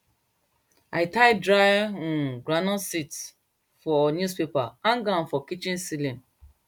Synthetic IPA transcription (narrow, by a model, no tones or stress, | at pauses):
ajtajdɾajɔ̃nɡɹanɔ̃nsit | fɔnjuspepaãŋɡãnfɔkit͡ʃĩnsilĩn